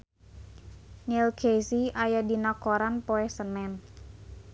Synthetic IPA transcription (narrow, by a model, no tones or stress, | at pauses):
nilkʰesiʔajadinɔkoɾanpoɛhsənɛn